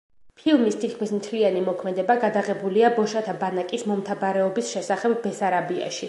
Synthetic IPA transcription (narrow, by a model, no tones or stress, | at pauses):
pʰilˠmist̪ʰit̪̚kʰmismt̪ʰlianimɔkʰmɛd̪ɛbaɡad̪aʁɛbuliabɔʃat̪ʰabanakʼismɔmt̪ʰabaɾɛɔbisʃɛsaχɛbːɛsaɾabia̰ʃi